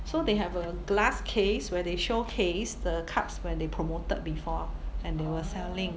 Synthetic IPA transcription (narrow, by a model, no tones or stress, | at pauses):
sodeɦɛvə | ɡlaskʰeswɛdeʃokʰesdəkʰapswɛ̃d̪epʰɹomotət̚bifɔɛ̃ndewəsɛlĩŋ